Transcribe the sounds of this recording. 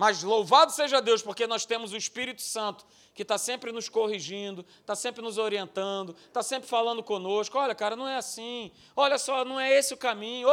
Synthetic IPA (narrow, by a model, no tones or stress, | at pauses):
mɐzlowvad̪ʊseʒɐad̪ewspoɾkenɔst̪ẽmʊzʊispiɾit̪ʊ̥sɐ̃nt̪ʊ̥ | kɪt̪asẽmpɾɪnʊskoɦiʒĩd̪ʊ | t̪asẽmpɾɪnʊzoɾiẽnt̪ɐ̃d̪ʊt̪asẽmpɾɪfalɐ̃nd̪ʊkõnoʃkʊɔʎɐkaɾɐnɐ̃w̃ɛasĩ | ɔʎɐsɔnɐ̃w̃ɛesɪʊkamĩɲʊ